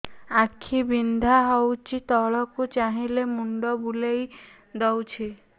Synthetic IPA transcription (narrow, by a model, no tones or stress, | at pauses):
akʰːibind̪ʱaɦɔwt͡ʃʰit̪ɔɭɔkut͡ʃaɦilemuɳɖɔbulej | d̪ɔwt͡ʃʰi